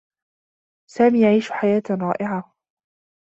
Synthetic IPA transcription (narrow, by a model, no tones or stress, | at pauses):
saːmiːjaʕiːʃħajaːt̪ɾˤɑ̰ːʔɪʕa